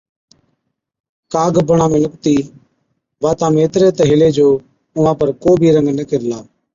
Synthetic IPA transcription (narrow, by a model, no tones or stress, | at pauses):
kaːɡbəɳãːmẽːlʊkt̪iː | baːt̪ãːmeːt̪ɾeːt̪əɦɪleːd͡ʒoː | ʊʋãːpəɾkoːbʱiːɾə̃ŋɡnəkɪɾlaː